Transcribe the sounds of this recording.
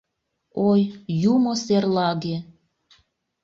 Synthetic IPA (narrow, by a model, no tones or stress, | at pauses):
ojjumoserlɑɣe